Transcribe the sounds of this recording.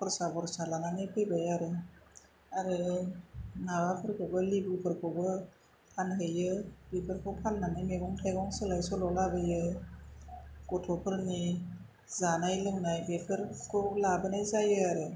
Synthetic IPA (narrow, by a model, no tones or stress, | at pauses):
pɯɾsabɔɾsalananɯjpʰɯjbajaɾɯ | aɾɯ | nawapʰɯɾkʰɔbɯlibɯpʰɯɾkʰɔbɯ | pʰanɦɯjɯbipʰɯɾkʰɔpʰalnanɯjmeɡɔŋtʰajɡɔŋsɯlajsɔlɔlabɯjɯ | ɡ̥ɔtʰɔpʰɯɾni | zanajlɯŋnajbepʰɯɾkʰɔlabɯnajzajɯaɾɯ